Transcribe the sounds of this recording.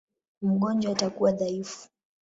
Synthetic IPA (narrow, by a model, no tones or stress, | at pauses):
m̩ɠɔnd͡ʒwaatakuwaðaifu̥